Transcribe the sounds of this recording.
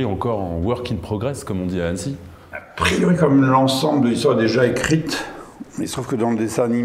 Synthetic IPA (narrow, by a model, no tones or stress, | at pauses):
iɑ̃kɔʁɑ̃wœʁkʲinpχɔɡʁɛskɔmɔ̃d̪iaɛnsi | apχijɔʁikɔmmlɑ̃sɑ̃bld̪əlist̪waʁd̪eʒaekχit̪meilst̪χuvkəd̪ɑ̃ləd̪esɛ̃ni